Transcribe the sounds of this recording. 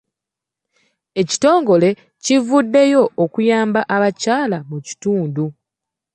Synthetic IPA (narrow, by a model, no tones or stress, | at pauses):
e̞ci̥to̞ːŋɡo̞le̞ | civudːe̞jo̞ʔokujaːmbaʔaβacaːlamuci̥tuːndu